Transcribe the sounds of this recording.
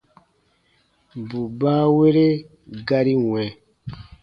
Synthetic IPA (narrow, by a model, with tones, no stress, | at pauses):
bu˨baː˦we˦ɾe˦ | ɡa˦ɾi˦wɛ̃˨